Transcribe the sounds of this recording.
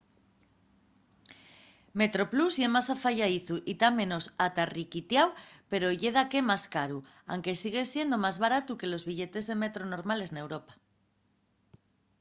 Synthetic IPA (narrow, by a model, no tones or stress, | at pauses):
me̞t̪ɾo̞pluzʝe̞masafaʝaiθuʔit̪amẽ̞no̞sat̪arikit̪jawpe̞ɾo̞ʝe̞ð̞ake̞maskaɾu | a̰wŋke̞siɣ̞e̞sje̞nd̪o̞mazβaɾat̪uke̞lo̞zβiʎe̞t̪e̞zðe̞me̞t̪ɾo̞no̞ɾmale̞zne̞wɾo̞pḁ